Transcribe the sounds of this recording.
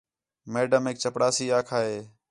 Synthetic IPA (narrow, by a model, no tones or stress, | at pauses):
meːɖəmeːk̚t͡ʃəpɽaːsiːaːkʰaːɦeː